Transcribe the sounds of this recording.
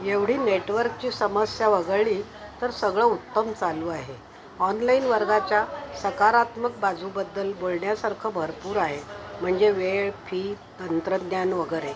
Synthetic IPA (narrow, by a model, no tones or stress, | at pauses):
jeʋɽ̤iːneʈʋəɾk̚t͡ɕiːsəməsjaʋəɡəɭiː | t̪əɾsəɡɭəut̪ːəmt͡saluːaɦe | ɔnlainʋəɾɡat͡ɕjasəkaɾat̪mək̚bad͡zʱubəd̪ːəlbolɳjasaɾkʰəbʱəɾpuːɾaɦem̤əɳd͡zeʋeɭpʰiːt̪ənt̪ɾəd̪njanʋəɡəɾe